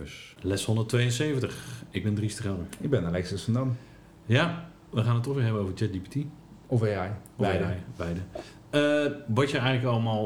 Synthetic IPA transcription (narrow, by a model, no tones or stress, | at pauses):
slɛshondərtʰʋeːjənseːvəntəxɪɡ̚bɪndristəχɛlˠdəɪɡ̚bɛnalɛksəsəndam | ja | ʋəχaːnətːɔxʋɪːɦɛbənoːvərd͡ʒɛt̚dipitʰi | ɔfeajjjbɛjdə | əʋɔtjəɛjɣŋləkɔlˠmalˠ